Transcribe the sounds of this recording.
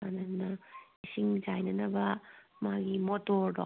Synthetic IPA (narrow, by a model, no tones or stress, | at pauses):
anɐnɐisiŋd͡ʒajnɐnɐbɐmaɡimotoɾdo̰